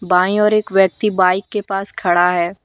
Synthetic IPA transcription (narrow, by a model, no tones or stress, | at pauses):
baːĩɔːɾeːkʋjɐk̚t̪ibaːɪkːepaːskʰɐɽaɦɛː